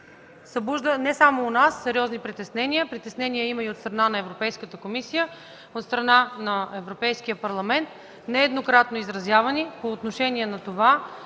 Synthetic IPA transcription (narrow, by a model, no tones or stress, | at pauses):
sɐbuʒd̪ənɛsamoːnasːɛɾʲɔznipɾit̪ɛsnɛnijəpɾit̪ɛsnɛnijəimɐiot̪st̪ɾɐnanɐɛvɾopɛjskət̪əkomisijə | ot̪st̪ɾɐnanɐɛvɾopɛjskiəpɐɾlˠɐmɛnt̪̚ | nɛɛd̪nokɾat̪noizɾɐzʲjavɐnipoːt̪noʃɛniɛnɐt̪ova